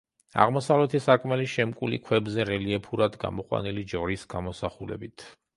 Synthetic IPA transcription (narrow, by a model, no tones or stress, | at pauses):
a̰ʁmɔsavlɛt̪ʰisakʼmɛliʃɛmkʼulḭkʰwɛbzɛɾɛliɛpʰuɾad̪ɡa̰mɔqʼwa̰nilid͡ʒɔɾisɡ̥amɔsaχulɛ̰bit̪ʰ